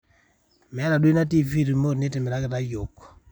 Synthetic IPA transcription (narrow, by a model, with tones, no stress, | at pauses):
mɛ˨˦ɾa˨dwe˦na˦t̬i˦vi˦ɾi˨mo˦˨ɾne˦te˨mɛ˨ɾa˦kɛ˨ɾa˦jo˨kɔ̥˨